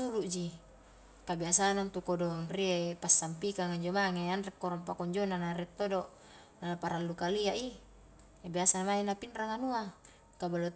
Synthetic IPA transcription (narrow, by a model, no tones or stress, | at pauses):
uɾuʔd͡ʒi | kabiasanant̪ukodɔŋriepasːampikaŋaɲd͡ʒomaŋeanrɛkːoɾɔmpakɔɲd͡ʒonanaɾɛt̪ːodoʔ | naapaɾalːukaliaʔi | abiasanmainapinraŋanua | kabalo